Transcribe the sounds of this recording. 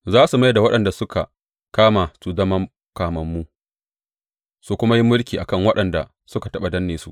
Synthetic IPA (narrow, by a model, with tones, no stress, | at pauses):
zaː˦su˨ma˦jda˨wɐ˦ɗɐ˨nda˨sʊ˦ka̰˨ | kaː˦ma˨su˦zɐ˦mɐ˦m | kaː˨mɐ˦mːu˦ | su˨kʷʊ˦ma˦ji˦mːʊ˦lkʲiː˨ʔa˨kɐ˦˨ŋwɐ˦ɗɐ˨nda˨ | sʊ˦ka˨tɐ˦ɓa˨dɐ˦nːeː˨su˦˨ʔ